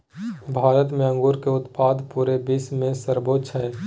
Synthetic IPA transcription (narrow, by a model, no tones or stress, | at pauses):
bʱaːɾət̪mẽə̃ŋɡuːɾkeʊt̪paːd̪puːɾebɪsmẽsəɾboːt͡ʃʰɦɛː